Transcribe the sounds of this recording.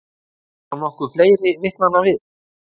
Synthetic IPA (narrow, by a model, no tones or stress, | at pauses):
anɔhkʏɾfleːjɾɪvɪht̪nanːavɪð